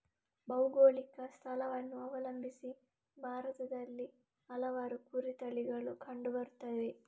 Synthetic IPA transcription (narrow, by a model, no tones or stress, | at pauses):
bɐwɡoːɭikɐst̪ʰɐlɐʋɐnːuɐʋɐlɐmbʱisi | bʱaːɾɐt̪ɐd̪ɐlːi | ɐlɐʋaːɾukuɾit̪ɐɭiɡɐɭukʰɐɳɖubɐɾut̪ːɐʋe̞